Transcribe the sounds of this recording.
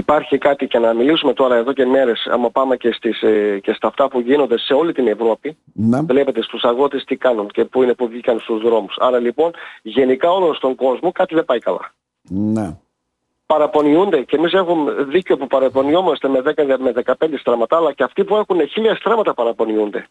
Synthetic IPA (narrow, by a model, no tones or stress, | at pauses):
ipɐɾçikɐt̪icenɐmilisume̞t̪o̞ɾɐeðo̞ceme̞ɾe̞sɐ̰mɐpɐmece̞st̪isce̞st̪ɐːft̪ɐpuʝino̞nd̪e̞se̞o̞lit̪ine̞vɾo̞pi | nvle̞pe̞t̪e̞st̪usɐɣot̪est̪ikɐnunce̞puinepuvʝikɐnst̪uzðɾo̞musɐɾɐlipo̞nʝe̞nikɐo̞lo̞nst̪o̞ŋɡo̞zmo̞kɐt̪iðe̞bɐikɐlɐ̰ | ne | pɐɾɐpo̞niund̪e̞cemise̞xumeðiceo̞pupɐɾɐpo̞nio̞most̪eme̞ðekɐðeme̞ðe̞kɐpe̞nd̪est̪ɾɐmɐt̪ɐːlɐceɐft̪ipue̞xuneçilɐest̪ɾɐmɐt̪ɐpɐɾɐpo̞niund̪e̞̰